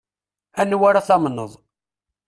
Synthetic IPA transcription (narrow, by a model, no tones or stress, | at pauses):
ænːwaɾaθɑmnəðˤ